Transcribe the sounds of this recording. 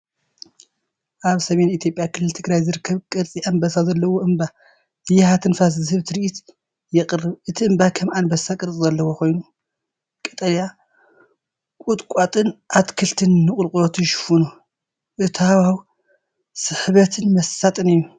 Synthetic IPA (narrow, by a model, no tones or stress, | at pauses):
ʔaβsɐme̞nit̪ʰjo̞pʼjakʰɨlːɨlt̪ʰɨɡɾajzɨɾɨkʰːɐβkʼɨɾt͡sʼiʔanbɐsazɐlːɐwoʔɨmba | ɨjɪhat̪ʰɨnfas̬zɨhɨβt̪ʰɨɾiʔit̪ | jɪqʼɨrːɨβʔɨt̪ʰiʔɨmbakʰɐmanbɐsakʼɨɾt͡sʼzɐlːɐwo̞kʰo̞jnu | kʼɨt̪ʼɐlja | kʼut̪ʼkʷʼat̪ʼɨnʔat̪kʰɨlt̪ʰɨnːɨχʼʊlkʼulot̪ʰujʃɪ̥funu | ʔɨt̪ʰawaw | sɨħβɐt̪ʰɨnmɐssat̪ʼɨnɨjːu